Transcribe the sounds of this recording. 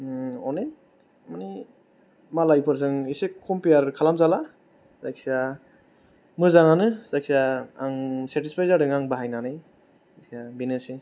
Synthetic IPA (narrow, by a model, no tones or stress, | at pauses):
ɔne | mani | malajpʰɯɾz̬ɯŋisekʰɔmpejaɾkʰalamzala | zak̚sia | mɯzaŋanɯz̥ak̚siaːŋseɾtispʰajzaɾdɯŋaŋbaɦajnanaj | isiabinese